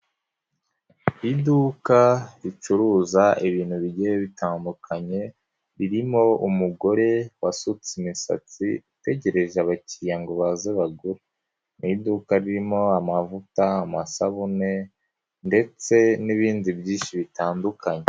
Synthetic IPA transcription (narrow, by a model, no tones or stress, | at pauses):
iduːkaɾit͡ʃuɾuːzaʔiβiːn̥huβiɟejeβitaːndukʰaɲe̞ | ɾiɾimo̞umuɡo̞ɾe̞wasut͡simisa̰t͡siite̞ɟe̞ɾe̞ʒaβacijaŋɡoβazeβaɡuɾe | nidukaɾiɾimo̞amavutaːmasaβune̞ | nde̞t͡se̞niβiːndibɟiːnʃiβitaːndukaɲe